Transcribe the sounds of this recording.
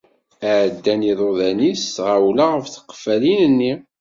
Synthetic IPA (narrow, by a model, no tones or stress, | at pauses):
ʕd̪ːæniðˤoðænisʁawlaʁəfθə̥qːfælinənːi